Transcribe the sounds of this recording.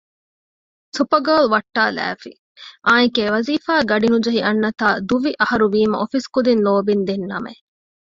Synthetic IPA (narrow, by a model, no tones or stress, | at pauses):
supɐɡɐːlʋɐʈːaːlæ̰ːfi | ʔaːnikeːʋɐziːfaːɡɐɖinud͡ʒɐɦiʔɐnːɐt̪aːd̪uʋiʔɐhɐɾuʋiːmɐ̰ʔofiskud̪inːoːbind̪enːɐmḛ